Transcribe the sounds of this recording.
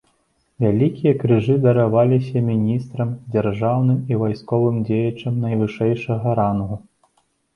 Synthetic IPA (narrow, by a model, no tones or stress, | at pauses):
vʲalʲikʲijɐkɾɨʐɨd̪ɐɾavalʲisʲɐmʲinʲist̪ɾɐmd͡zʲarʐawnɨmivajskɔvɨmd͡zʲejɐt͡ʂɐmnɐjvɨʂɛjʂɐɣɐɾanɣu